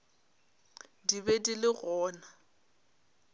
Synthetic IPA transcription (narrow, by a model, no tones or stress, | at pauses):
dibɛdilɪɣɔːna